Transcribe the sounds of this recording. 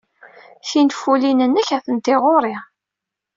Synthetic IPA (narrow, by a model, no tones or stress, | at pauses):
θinfulinənːəçæθənt̪ɪʁoɾˤɪ